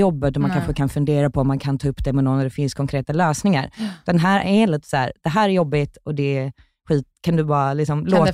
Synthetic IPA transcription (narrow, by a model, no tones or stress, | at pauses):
ɔbːət̪ɔmankʰanɧəkʰanfɵnd̪eːɾapʰɔɔmːankʰant̪ʰɑːɵpːd̪ɛmɛnɔnːæɖɛfɪnskʰɔŋkʰɾeːt̪aløːsnɪŋa̰ɾd̪̥ɛnɦæːɾɛliːt̪ə̥sæ̰ːɾd̪̥ɛɦæːɾɛɾjɔbːɪt̪ɔd̪ɛː | ɧiːt̪kʰand̪ɵbɑːɾalɪksɔmloː